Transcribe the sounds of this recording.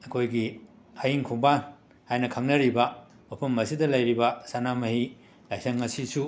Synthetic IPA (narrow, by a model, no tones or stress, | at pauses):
ɐkʰojɡi | hɐjiŋkʰuŋban | hajnɐkʰaŋnɐɾibɐ | mɐpʰɐmːɐsidɐlɐjɾibɐsanamɐhi | lajsɐŋŋɐsisu